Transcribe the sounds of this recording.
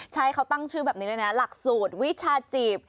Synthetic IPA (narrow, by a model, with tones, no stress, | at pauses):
t͡ɕʰa˦˥jkʰa˦˥wt̪a˥˩ŋt͡ɕʰɯː˥˩bɛː˨˩p̚niː˦lːna˦˥la˨˩k̚suː˨˩t̪̚wi˦˥t̚t͡ɕʰaː˧t͡ɕiː˨˩p̚